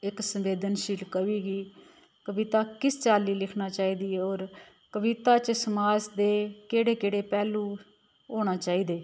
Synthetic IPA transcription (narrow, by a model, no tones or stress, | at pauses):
ɪksəmʋeːd̪ənʃiːlkəʋiːɡiː | kəbiːt̪aːkɪst͡ʃaːliːlɪkʰnaːt͡ʃaːiːd̪iːɛːoːɾ | kəʋiːt̪aːt͡ʃsəmaːd͡ʒd̪eːkeːɽeːkeːɽeːpɛːluː | ɦoːɽ̃aːt͡ʃaːiːd̪eː